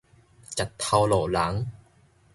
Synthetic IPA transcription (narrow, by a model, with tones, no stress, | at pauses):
t͡ɕa˨˩tt̪ʰːa˧wlɔ˨˩la˨˦ŋ